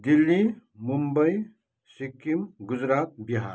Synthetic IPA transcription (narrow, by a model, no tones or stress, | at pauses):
d̪ilːimumbəi | sikːimɡʊd͡ʒɾaːt̪̚biɦa̰ːɾ